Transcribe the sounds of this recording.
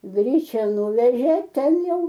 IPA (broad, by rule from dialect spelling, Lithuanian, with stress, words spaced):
ˈɡrʲiːt͡ʃʲɛ ˈnʊʋʲɛʒʲeː ˈtʲɛn ˈjɛʊ